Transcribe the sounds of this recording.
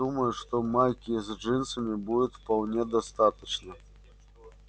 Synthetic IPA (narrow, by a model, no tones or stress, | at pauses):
umɐjuʂt̪ɔmajkʲizʲd͡ʐɨnsɐmʲibudʲɛt̪ʲfpawnʲɛd̪ast̪at̪ɐt͡ʃnɐ